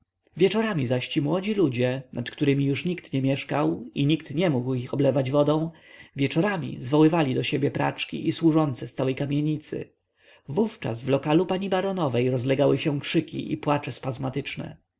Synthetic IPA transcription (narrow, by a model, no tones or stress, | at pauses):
vʲjɛt͡ʂɔɾamʲizaɕt͡ɕimwɔd͡ʑilud͡ʑɛnat̪kt̪uɾɘmʲijuʂɲikt̪ɲɛmʲjɛʂkawiɲikt̪ɲɛmuɡwixɔblɛvad͡ʑvɔd̪ɔ̃w̃vʲjɛt͡ʂɔɾamʲḭzvɔwɘvalʲid̪ɔɕebʲjɛpɾa̰t͡ʂkʲḭʔiswuʐɔnt̪sɛst̪awɛjkamʲjeɲit̪sɘ̰ | vuft͡ʂa̰zvlɔkalupaɲibaɾɔnɔvɛjɾɔzlɛɡawɘɕɛ̃kʂɘkʲḭʔipwat͡ʂɛspazmat̪ɘt͡ʂnɛ̰